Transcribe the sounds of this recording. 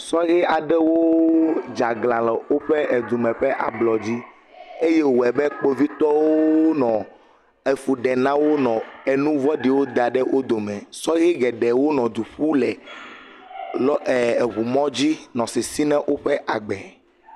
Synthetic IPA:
sɔ˦ɣi˦a˨ɖɛ˦wo˦d͡ʒa˨ɡlã˨lɛ˨wo˦ɸɛ˦ɛ˨d̪u˨mɛ̃˨ɸɛ˦ʔa˨blɔ˨d͡ʑi˦ | e˦je˦wo˨ɛ˨bɛ˦k͡po˦vi˦t̪ɔ˦wo˦nɔ̃˨ | e˨fu˨ɖɛ˨nã˦wo˦nɔ̃˨ɛ˨nũ˦vɔ˦ɖi˨wo˦d̪a˨ɖɛ˦wʔo˦d̪o˨mɛ̃˨sɔ˦ɣi˦ɡɛ˨ɖɛ˨wo˦nɔ̃˨d̪u˨ɸu˦lɛ˨ | lɔ˦ɛ˨βu˨mɔ̃˦d͡ʑi˦nɔ̃˨sɛ˨si˦nɛ̃˦ʔo˦ɸɛ˦ʔa˨ɡ͡bɛ˨

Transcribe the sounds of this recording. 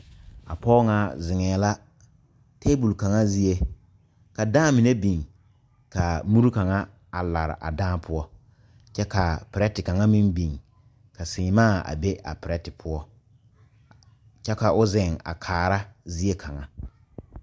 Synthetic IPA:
a˨pɔː˦ŋa˨zɪ˨ŋɛː˨˦la˦ | te˦bu˨lka˨ŋa˦zi˦e˦ | ka˨daː˦mi˨ne˦bi˨ŋ | ka˨mu˦ɾu˦ka˨ŋa˦ | a˨la˨ɾɪ̰˨ʔa̰˨daː˦pʰʊ˦ɔ˦ | t͡ʃɛ˦ka˨pɪ˨ɾɛ˦tɪ˨ka˨ŋa˦mɪ˦nbi˨ŋ | ka˨sɪ̃ː˨˦maː˦˨a̰˨be˦ʔa̰˨pɪ˨ɾɛ˦tɪ˨pʰʊ˦ɔ˦ | t͡ʃɛ˦ka˨ʔʊ˦zɪ˨ŋa̰˨kʰaː˨ɾa˦zi˦e˦kʰa˨ŋa˦

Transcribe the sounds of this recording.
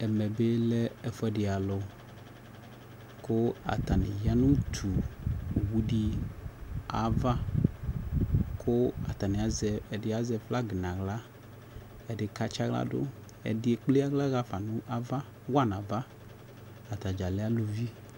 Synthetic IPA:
ɛ˨mɛ˨be˦lɛ˦ɛ˨fɛ˦ɖe˨a˨lɔ˨ | ko˦a̰˨t̪a˨nĩ˨ja˦nũ˦t̪ʰu˨ | wu˦ɖi˦ | a̰˨va˦ | kʰo˦a̰˨t̪a˨nĩ˨a˨zɛ˨ɛ˨ɖɪ˨˦a˨zɛ˨fla˦ɡe˨nã˨ɣla˦ | ɛ˨ɖe˨ka˦t͡ʃa˦ɣla̰˦ɖo̰˦ | ɛ̰˨di˦e˨k͡ple˦a˦ɡla˦ɣa˦fa˨nũ˦ʔa˨va˦ | wa˦nã˨va˦ | a˨t̪a˨d͡ʒa˨le˦a˦lo˨vi˦

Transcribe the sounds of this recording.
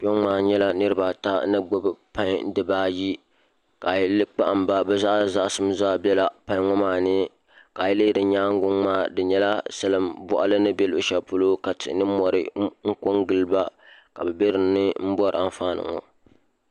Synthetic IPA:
po˦maː˦˨ɲɛ˦la˦nɨ˦ɾɨ˦ba˨ta˦nɨ˦ɡ͡bʊ˦bɨ˨pa˦ŋ˦dɨ˨baː˦ji˦ | ka˨jlɨ˦k͡pa˦ʔmba˦bɛ˦za˦ʔza˦ʔsɨ˦m˦zaː˦bɛ˦la˨pa˦ŋɔ˦maː˨nɨ˦ | ka˨jɛ˦lɨː˦dɨ˨ɲaː˦ŋ˦ɡʊ˦ŋmaː˦˨dɨ˨ɲɛ˦la˦sɨ˦lɨ˦mbɔ˦ʔa̰˦lɨ˦nɨ˦bɛ˦lʊ˨ʃɛ˨pʊ˦lo˦ka˨tɪ˨nɨ˦mɔ˨ɾɨ˦ŋ̩˦ko˦ŋɡɨ˨lba˦ka˨bɛ˨be˦ɾɨ˨nɨ˦m̩˦bɔ˦ɾa˨ɱ˦faː˦nɨ̰˨ŋɔ̰˨

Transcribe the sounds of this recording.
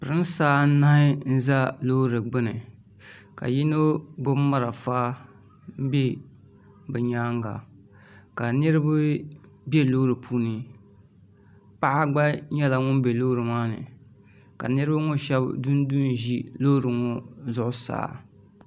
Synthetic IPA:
pɨ˨ɾɨ˦n˦saː˦n̩˦na˦hɪ˦n̩˦za˦lo˦ɾɨ˨ɡ͡bɨ˦nɨ˨ | ka̰˨ji˦no˦ɡo˦ma˦ɾa˨faː˦ | m̩˦be˦ | bɨ˨ɲaː˦ŋɡa̰˨ | ka˨nɨ˦ɾɨ˦ba˦ | bɛ˦lo˦ɾɨ˨pʰu˦nɨ˦ | pa˦ʔa˦ɡ͡ba˦ɲɛ˦la˨ŋʊ˦m˦be˨lo˦ɾɨ˨maː˦nɨ̰˨ | ka̰˨nɨ˦ɾɨ˦ba˦ŋo˦ʃɛ˦bdu˦n˦du˦n˨ʒi˦lo˦ɾɨ˨ŋɔ˦zʊ˦ʔʊ˦sa̰ː˦˨

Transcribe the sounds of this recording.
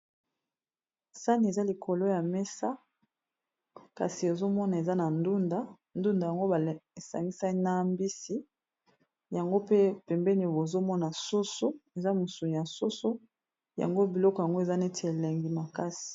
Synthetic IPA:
sa˦ni˨e˨za˦li˨kʰo˨lo˦ja˨mɛ˦sa˦ | ka̰˨si˨e˨zo˦mɔ˦na˨e˨za˦na˨ndu˦nda˦ | ndu˦nda˨ja˨ŋɡo˦ba˨e˨sa̰˨ŋɡi˦sa˦i˦na˦mbi˦si˦ | ja˨ŋɡo˦pe˦pɛ˨mbɛ˦ni˨bo˨zo˦mɔ˦na˨so˦so˦e˨za˦mu˨su˨n˨ja˨so˦so˦ | ja̰˨ŋɡo˦bi˨lɔ˦kja˨ŋɡo˦e˨za˦ne˦tʰe˨le˨ŋɡi˨ma˨ka˦si̥˨

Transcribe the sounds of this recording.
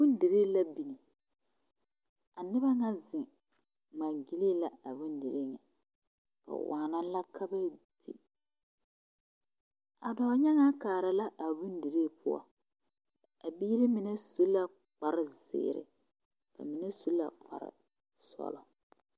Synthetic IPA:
bʊ˦ndi˨ɾeː˦la˦bi˨ni˨ | a˨nɪ˦ba˦ŋa˦zɪ˨ | maː˨ɡi˦li˦la˨a˨bu˦ndi˨ɾe˦ŋɛ̰˨ | ka̰˨waː˨na˦la˦kʰa˦ba˦d̥ḭ˨ | a˨dɔː˨˦ɲɛ˦ŋa˦kaː˨ɾa˨la˦ʔa˨bu˦ndi˨ɾe˦pʰʊ˦a̰˨ | a˨biː˦ɾɪ˦mɪ˨nɛ˦su˦la˦ | k͡pa˨ɾɪ˨zɪ̰ː˨ɾɪ̰˨ | ka̰˨mɪ˨nɛ˦su˦la̰˨k͡pa̰˨ɾɪ̰˨ | sɔ̰˦lɔ˨

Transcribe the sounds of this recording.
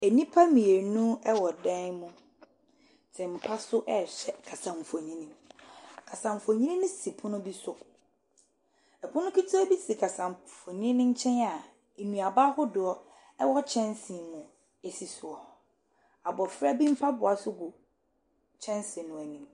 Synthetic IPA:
æ˨nĩ˦pʰa˦mĩ˨e˨nũ˦ɛ˦wɔ˨dɛ̃˦nmʊ̃˦ | tʰɪ̃˨m̩˨pʰa˦sʊ˦ʔɛ˨ɕɛ˨kʰa˨sã˨ɱ˨fo˨ɲĩ˦nĩ˦mkʰa˨sã˨ɱ˨fo˨ɲĩ˦nĩ˦nʊ̃˦si˨pʰʊ̃˦nʊ̃˦bi˦sʊ˦ | ɛ˨pʰʊ̃˦nʊ̃˦kʰi˦tʰi˦ɔ˦bi˦si˨kʰa˨sã˨m˨fõ˨ɲĩ˦nɪ̃˦ɲ̩˦t͡ɕʰɛ̃˦na˨ | e˨nũ˨a˨ba˦hʊ˦dʊ˨ɔ˦ | ɛ˦wɔ˦t͡ɕʰɛ̃˦nsĩ˨mʊ̃˨ | e˨si˨sʊ˨ɔ˨ | a˨bɔ˨fɾa˦bĩ˦m̩˦pʰa˦bʊ˨a˨sʊ˦ɡʊ˨ | t͡ɕʰɛ̃˦nsɪ̃˨nʊ̃˨æ˨nĩ˨m

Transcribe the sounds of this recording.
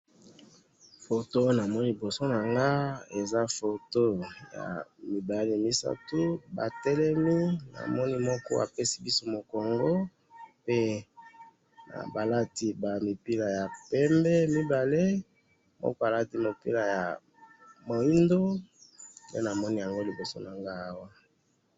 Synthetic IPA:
fo˨to˦na˨mɔ˦ni˦˨i˨bo˨so˦na˨ŋɡa˦e˨za˦fo˨to˦ja̰˨mi˨ba˨le˦mi˦sa̰˦tu˦ba̰˨tɛ˦lɛ˦mi˦na̰˨mɔ˦ni˦mɔ˦kɔ˦a̰˨pe˦si̥˦bi˦so˦mo˨kɔ˨ŋɡo˦ | pe˦ | na̰˨ba˨la˦ti˦ba˨mi˨pi˦la˨ja˨pɛ˦mbɛ˦mi˦ba˨le˦ | mɔ̰˦kɔ˦a˨la˦ti˦mo˨pḭ˦la˨ja˨ | mo˨i˦ndo˦ | ndḛ˦na˨mɔ˦ni˦ja˨ŋɡo˦li˨bo˨so˦na˨ŋɡa˦a˦wa˦

